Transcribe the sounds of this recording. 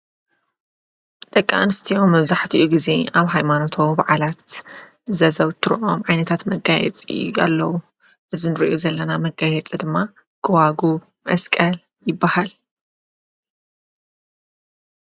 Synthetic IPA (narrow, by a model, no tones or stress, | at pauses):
t̪ʼɐkʼːa̰nɨst̪ʰijommːɐβzaħt̪ʰiʔuɡize̞aβɦajmanot̪ʰowbaʕalat̪ | zɐzɐβt̪ʰɨɾʔomʕajnɐt̪ʰat̪mɐɡajɛ̰t͡sʼiua̰lːɐwu | ʔɨzinɨɾiʔozɐlːɐnamɐɡajɛt͡sʼid̪ɨmːa | ɡ̥ɐwaɡu | mɐskʼɐl | jɪbːahal